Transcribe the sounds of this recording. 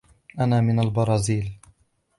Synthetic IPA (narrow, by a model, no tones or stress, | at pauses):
ʔanaːmɪnalbɑɾˤɑːziːl